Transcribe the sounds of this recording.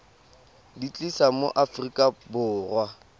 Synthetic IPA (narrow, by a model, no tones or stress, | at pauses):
dit͡ɬʼisamo̰ʔafrikʼabʊːrwa